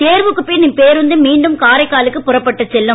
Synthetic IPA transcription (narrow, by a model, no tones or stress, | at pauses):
t̪eːɾʋɯkːɯpːoːjniŋpeːɾʋɯnd̪ɯmiːɳɖɯmkaːɾɐɪkːaːlɯkːɯpʊrɐpːɐʈːɐt͡ʃːɛlːʊ̃